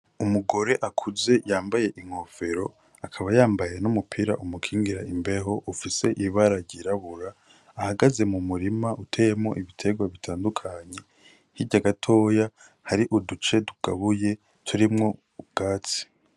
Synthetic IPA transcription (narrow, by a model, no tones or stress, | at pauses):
umuɡo̞ɾe̞ʔakʰuze̞jaːmbaje̞ʔiŋ̥ho̞fe̞ɾo̞ | akʰaβajaːmbaje̞numupʰiɾa̰ʔumukʰiːŋɡiɾaimbe̞ɦo̞ʔufise̞ʔiβaɾaɾɟiɾaβuɾaː | haɡaze̞mumuɾimaʔutʰe̞jemŋo̞̰ʔiβitʰe̞ɡwaβitʰaːndukʰaɲe̞ | hiɟaɡatʰo̞ːja | haɾiʔudut͡ʃe̞duɡ̥a̰βuje̞ | tʰuɾimŋo̞ | ɡ̥aːt͡si̥